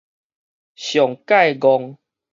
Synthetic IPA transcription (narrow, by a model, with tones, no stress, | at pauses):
ɕjɔ˨˩ŋka˥˧jɡɔ˧ŋ